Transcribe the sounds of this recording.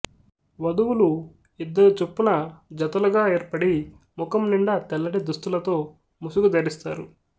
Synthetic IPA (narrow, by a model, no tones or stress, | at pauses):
ʋɐd̪uwulu | id̪ːɐɾt͡ʃepːunɐd͡ʒɐt̪ɐlɐɡaːe̞ːɾpɐɽi | mukɐmniɳɖɐt̪ɛlːɐʈid̪ust̪ulɐt̪o̞ː | musuɡud̪ɐɾist̪a̰ːɾu